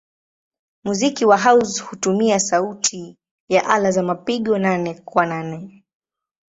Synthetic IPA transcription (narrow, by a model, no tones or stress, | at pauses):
muzikiwaɦawzhutumiasautʰi | jaʔalazamapiɠɔnanɛkwananɛ